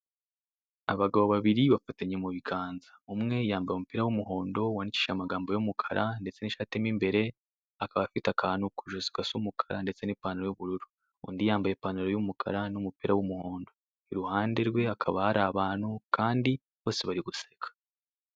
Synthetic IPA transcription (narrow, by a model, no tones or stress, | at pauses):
aβaɡaβoβaβiɾiβafataɲe̞muβiɡaːnzaumŋe̞jaːmbajomupiɾawumuɦo̞ːndo̞wanici̥ːʃamaɡaːmbo̞jumukʰaɾʔande̞t͡se̞niʃatemimbe̞ɾe̞ | akaβafitakʰaːnukuʒozi̥kasumukʰaɾande̞t͡se̞niːpanuɾo̞juβuɾuɾu | ṵndijaːmbajepanuɾojumukʰa̰ɾanumupiɾawumuho̞ːndo̞ | iɾuhaːnde̞ɾɡwe̞akʰaβahaɾaβaːnhukʰaːndi | βo̞ːse̞βaɾiɡusekʰḁ